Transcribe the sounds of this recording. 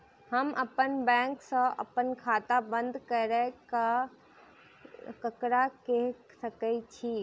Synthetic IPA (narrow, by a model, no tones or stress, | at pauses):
həmʔəpənbɛ̃ŋksə̃ʔə̰pənkʰat̪abənd̪ʱkəɾɛka | kəkɾakeɦ | səkət͡ʃʰi